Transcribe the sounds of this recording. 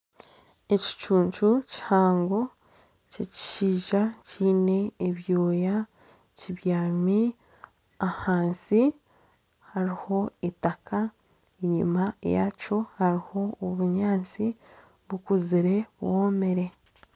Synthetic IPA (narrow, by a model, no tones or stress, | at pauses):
e̞ci̥t͡ʃuːɲt͡ʃuci̥haːŋɡo̞ | ceci̥ʃiːʒaciːne̞ːβjo̞ːja | ciβjaːmi | ahaːnsi | haɾiho̞itakʰa | eɲḭmaja̰co̞haɾiho̞ːβuɲaːnt͡si | βukuziɾe̞woːme̞ɾe̞